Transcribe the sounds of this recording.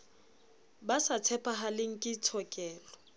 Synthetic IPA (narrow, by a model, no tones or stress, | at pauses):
basat͡sʰɛpʰʼaɦalɪŋ̩kʼɪt͡sʰɔkʼɛːlɔ